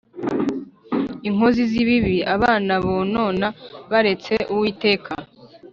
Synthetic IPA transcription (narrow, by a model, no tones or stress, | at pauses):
iŋ̥hoziziβiβiaβaːnaβono̞ːnaβaɾe̞t͡se̞ʔuwiːte̞ːkʰa